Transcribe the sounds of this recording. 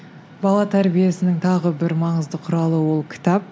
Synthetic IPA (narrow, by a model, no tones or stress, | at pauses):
bɑlˠɑt̪ʰæɾbije̞sɪnɪŋt̪ʰɑʁəbɪɾmɑɴəzd̪əqʰʊɾɑlˠəwo̞lˠkʲʰɪ̥t̪ɑp̚